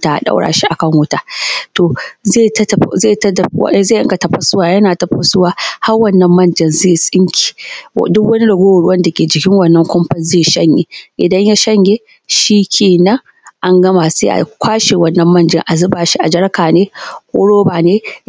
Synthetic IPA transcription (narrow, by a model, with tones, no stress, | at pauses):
ta˨a̰˨ɗa̰˦wɽa̰ː˨ʃi˦ʔa˨kɐ˦ŋwʊ˦taː˦to˨ze˦˨tzeː˦˨tɐ̰˦˨˦zeː˦˨ʔɪ˦ŋɡa˨tɐ˨ɸɐ˦sʊ˦waː˨jɐ˦naː˨tɐ˨ɸɐ˦sʊ˦waː˦ha˦rwɐ˦˨nːɐ˦mːɐ˦˨nd͡ʒɐ˨nzeː˦˨sʼɪ˦ŋkʲʰi̥˨dʊ˦kwɐ˦ni˦ɽɐ˨ɡʷoː˦wɐ˨ɽʊ˦wɐ˦nda˨kʲeː˨d͡ʒɪ˨kʲɪ˦ŋwɐ˨nːɐ˦ŋkʷɔ˦mɸɐ˦zeː˦˨ʃɐ˦ɲjḛ˨ʔɪ˨dɐ˦ɲja˦ʃɐ˦ɲɡʲe˦ | ʃi˦kʲʰeː˨nɐ˦ŋ | ʔa˦ŋɡɐ˦ma˨sḛ˦ʔa̰˨kʷaː˦ʃe˨wɐ˦nːɐ˦mːɐ˦˨nd͡ʒɪ̰˦ŋʔa˨zɪ˦baː˨ʃi˦ʔa˨d͡ʒɐ˦ɽkaː˨neː˦kʷo̰˦ɽoː˦baː˨neː˦